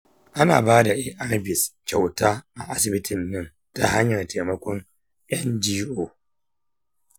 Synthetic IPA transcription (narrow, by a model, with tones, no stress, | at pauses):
ʔa˦na̰ː˨baː˦da˨ʔɪ˦ʔa˦ɾa˦bɪ˨st͡ʃa˨wtaː˦ʔa˨ʔa˦sɪ˨bɪ˦tʰɪ˨nːɐ˦n | ta˦ha˦ɲjɐ˨rteː˨mɐ˦kʷɔ˦ŋ | ʔɛ˦nd͡ʒiː˦ʔoː˨